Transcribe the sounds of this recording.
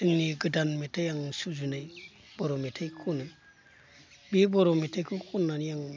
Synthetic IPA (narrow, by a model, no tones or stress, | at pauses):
dɯŋniɡɯdanmetʰajaŋsuzunaj | bɔɾɔmetʰajkʰunɯ | bibɔɾɔmetʰajkʰɯkʰunːanijaŋ